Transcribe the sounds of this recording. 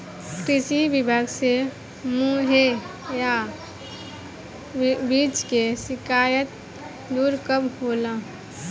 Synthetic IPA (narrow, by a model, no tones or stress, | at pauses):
kɪsibɪbʱaːɡse | mũɦe | ja | biːt͡ʃkesɪkaːjət̪̚ | d̪uːɾkəbɦoːlãː